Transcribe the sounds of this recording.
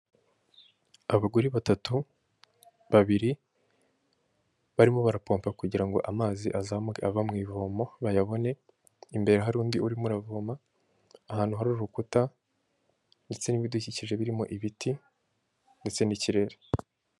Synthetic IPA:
aβaɡuɾiβatatu | βaβiɾi | βaɾimo̞βaɾapo̞ːmpakuɟiɾaŋɡo̞̰ʔamaːziʔazamɡeaβamŋiːvomo̞βajaβo̞ne̞ | imbe̞ɾeɦaɾuːndiuɾimuɾavomaː | haːn̥huɦaɾuɾɾukuta | nde̞t͡se̞niβiduciciʒe̞βiɾimo̞̰ʔiβiti | nde̞t͡se̞niciɾe̞ɾe

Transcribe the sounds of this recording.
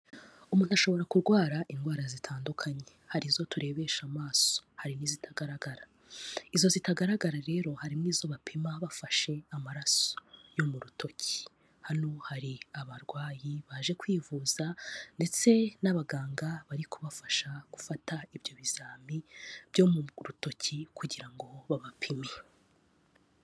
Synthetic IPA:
umuːn̥uaʃo̞βo̞ɾakuɾɡwaːɾaʔiŋɡwaːɾazitʰaːndukʰaɲe̞haɾizo̞tuɾe̞βe̞ʃamaːso̥haɾiniːzitʰaɡaɾaɡaɾa | izo̞zitaɡaɾaɡaɾaɾe̞ːɾo̞haɾimŋiːzo̞βapʰimaβafaʃe̞amaɾaso̞̥jo̞muɾutʰo̞cʰi̥ | hanohaɾiaβaɾɡwaːjiβaːʒe̞kwiːvuːzande̞t͡se̞naβaɡaːŋɡaβaɾikʰuβafaʃaɡ̥ufataiβbjo̞βizaːmib̥jo̞muɾuto̞cʰikuɟiɾaŋɡo̞βaβapʰimɲe

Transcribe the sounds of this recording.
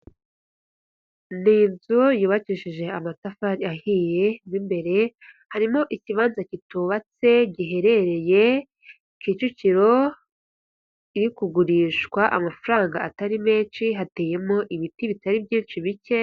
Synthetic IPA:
niːnzujuːβaciʃiʒe̞amasafaɾiahiːje̞nimbe̞ɾe̞ | haɾimo̞ʔiciβaːnzacituːβat͡se̞ɟiɦe̞ɾe̞ɾe̞je̞ | kit͡ʃuciɾo̞ | iɾikuɡuɾiːʃkwaʔamafuɾaːŋɡaataɾime̞ːt͡ʃiɦate̞ːje̞mo̞ʔiβitiβitaɾibɟiːnt͡ʃiβice̞

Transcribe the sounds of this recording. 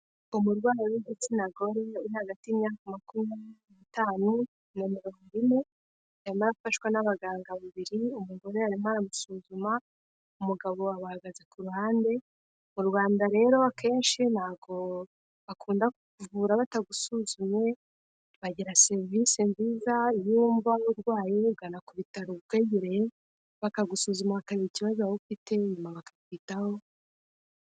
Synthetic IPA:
umuɾɡwaːɾawiɡet͡sinaɡo̞ɾe̞uɾihaɡatiimɲaːkamakumanitaːnu | nemeɾomuɾime | aɾimaɾakufaʃwanaβaɡaːŋɡaβuβiɾiumuɡo̞ɾeaɾimaɾamusuːzuma | umuɡaβo̞aβahaɡazekuɾuhaːnde̞ | muɾɡwaːndaɾe̞ːɾo̞akʰe̞ːnʃinhaːɡo̞ | βakʰuːndakuuvuːɾaβataɡusuzumɲe̞ | βaɟiɾase̞ɾvisinziːzaiɾiuːɱvauɾɡwaːjiuɡanakuβitaɾukwe̞ːɟiɾe | βakaɡusuzumaβakaβiɾiciβazoaufite̞ɲumaβakḁkwitaho̞

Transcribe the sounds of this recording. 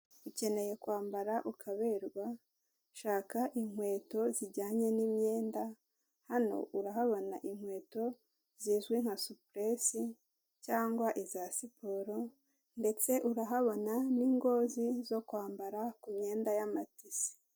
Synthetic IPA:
uce̞ne̞je̞kwaːmbaɾaʔukʰaβe̞ɾɡwa | ʃaːkaʔiŋ̥we̞ːto̞ziɾɟaːɲe̞niːmɲe̞ːnda | hano̞̰ʔuɾaɦaβo̞naʔiŋhwe̞ːto̞ | ziːzɡwiŋ̥hasupɾesi | caːŋɡwaʔizasipoɾo̞ | nde̞t͡se̞ʔuɾaɦaβo̞naniːŋɡo̞ːzizo̞kwaːmbaɾakumɲe̞ːndajamatisi̥

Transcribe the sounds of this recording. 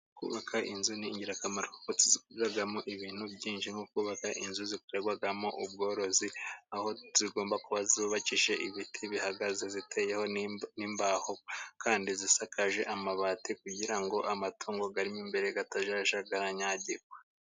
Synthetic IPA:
kṵːβakʰaʔinzuniːɲɟiɾakamaɾoko̥kot͡sizikɡwaɡamoʔiβiːn̥hubɟiːnʃiŋhokuːβakaʔinzuzikuɾeɡwaɡamo̞ʔub̚ɡo̞ːɾo̞ziaho̞z̥iɡo̞ːmbakuβaziuβaciʃe̞ʔiβitʰiβihaɡazezitʰeːje̞ho̞niːmbahokʰaːndizisakʰaʒe̞ʔamaβaːtikuɟiɾaŋɡo̞ʔamatʰuːŋɡo̞ɡaɾimimbe̞ɾe̞ɡataʒaʒaɡaɾaɲaɟiɡwe

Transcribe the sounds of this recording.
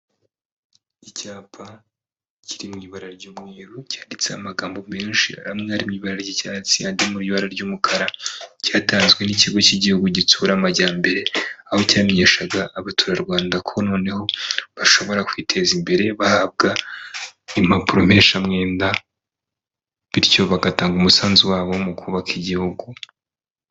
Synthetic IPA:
icaːpʰa | ciɾimŋiːβaɾaɾɟuːmŋiːɾucaːndit͡seamaɡaːmbo̞me̞ːnʃiamŋeaɾimɲiːβaɾaɾɟicaːt͡siandimuɾjuβaɾaɾɟumukʰaɾacaːtaːnzɡwe̞niciɡo̞ciɟihuɡuɟituːɾamaɟaːmbe̞ɾe̞aho̞caːmeɲe̞ʃaɡaʔːβatuːɾaɾɡwaːndakʰo̞no̞ːne̞ho̞βaʃo̞βo̞ɾakwiːtʰe̞zimbe̞ɾe̞βahab̚ɡa | im̥apuɾom̥e̞ːnʃamŋe̞ːnda | βiɾjo̞βaɡataːŋɡumusaːnziwaːβo̞mukʰuːβakʰiɟihuɡu

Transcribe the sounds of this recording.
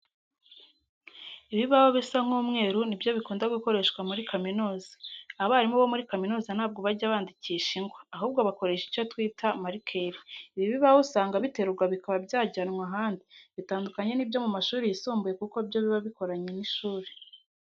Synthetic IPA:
iβiβaβoβisam̥huːmŋe̞ːɾunibjo̞βikuːndaɡuko̞ɾe̞ʃkwamuɾikaminoːzaaβaaɾimuβomuɾikaminoːzan̥aːb̚ɡo̞βaɟaβaːndiciʃiŋɡwaːɦuːb̚ɡo̞βako̞ɾe̞ʃi̥co̞twiːtamaɾikʰeɾiiβiβiβawusaːŋɡaβite̞ɾuɾɡwaβikaβabɟaːɟanŋaɦaːndiβitaːndukaɲe̞nibjo̞mumaʃuːɾejisuːmbuje̞kuko̞bjo̞βiβaβiko̞ɾaɲe̞niʃuːɾe

